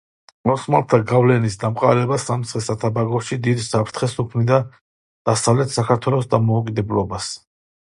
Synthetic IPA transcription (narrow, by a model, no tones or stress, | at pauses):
mɔsmalt̪ʰaɡavlɛnisd̪amqʼa̰ɾɛbasamt̪sʰχɛsat̪ʰabaɡɔʃid̪id̪isapʰɾt̪ʰχɛsukʰmnid̪a | d̪̥asavlɛt̪ʰsakʰaɾt̪ʰwɛlˠɔsd̪amɔukʼid̪ɛblɔbas